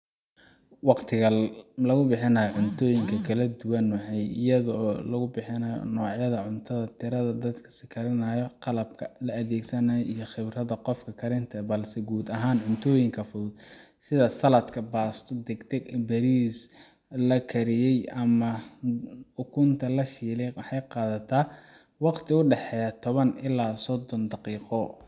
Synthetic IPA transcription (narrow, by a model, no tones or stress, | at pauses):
wɑqt̪ʰɪɣɐlɐɣʊbɪħɪnaːjɔʕʊnt̪ʰɔːjɪŋkʰɐkʰɐlɐd̪ʊwɐnʊħɛjɪ̰jɐðɔɔːlɐɣʊbɪħɪnɐːjɔ̰nɔːʕjɐðɐʕʊnt̪ʰɐðɐt̪ʰɪɾɐðɐd̪ɐd̪kʰɐ̥sɪkʰɐɾɪnɐːjɔqɑlɐb̚kʰɐlɐɐðɛːɡsɐnɐijɔχɪβrɐðɐqɔfkʰɐkʰɐɾɪnt̪ʰɐbɐlsɛɡuːd̪ɐɦaːnʕʊnt̪ʰɔːjɪŋkʰɐfʊðʊd̪ | sɪðɐsɐlɐd̪kʰɐbaːst̪ʰɔd̪ɛɡt̪ʰɛɡbɐɾiːs | lɐkʰɐɾɪjɛjɐmɐ | ħʊkʰʊnt̪ʰɐlɐʃiːlɛjwɑħɑjqɑːðɐt̪ʰaː | wɑqt̪ʰɪʊɖɛħɛːjɐt̪ʰɔβɐnɪlaːsɔd̪ɔnd̪ɑqiːqɔ